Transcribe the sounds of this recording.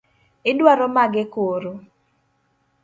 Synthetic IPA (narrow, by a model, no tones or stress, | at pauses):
ɪdwaɾɔmaɡɪkoɾo